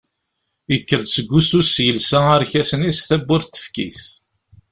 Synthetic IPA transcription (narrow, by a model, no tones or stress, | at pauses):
ikːəɾðsəɡʷːususjəlsæəɾçæsənisθæbːʊɾt̪ːə̥fkḭθ